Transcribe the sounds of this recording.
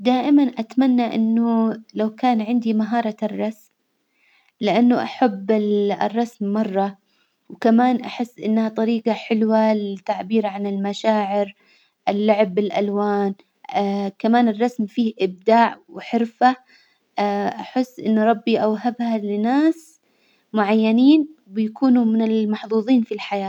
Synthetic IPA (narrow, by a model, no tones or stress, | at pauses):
d̪aːʔɪmanʔat̪manːaʔɪ̰nːʊlawkaːnʕɪnd̪imaɦɑːɾˤɑrˤːɑsm | lɪʔanːʊʔaħabːɪrˤːɑsmːɑrˤːɑ | wkamaːnʔaħɪsːʔɪ̰nːhat̪ˤɑɾiːqɑħɪlwalɪt̪ːaʕbiːɾʕanɪlmaʃaːʕɪɾ | ʔɪlːʊʕɪbːɪlʔa̰lwaːn | kamaːnɪrˤːɑsmfiːhʔɪb̚d̪aːʕwħɪɾfa | ʔaħɪsːʔɪ̰nːʊɾˤɑbːiʔawɦabhalɪnaːs | mʊʕajːaniːnbɪjakuːnumɪnɪlmɑħðˤuːðˤiːnfilħajaː